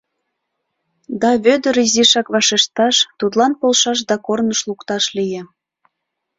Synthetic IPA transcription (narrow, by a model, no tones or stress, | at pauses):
d̪ɑβød̪ə̆ɾiziʃɑkβɑʃeʃt̪ɑʃt̪ut̪lɑnpolʃɑʃ̬d̪ɑkornəʃlukt̪ɑʃlijĕ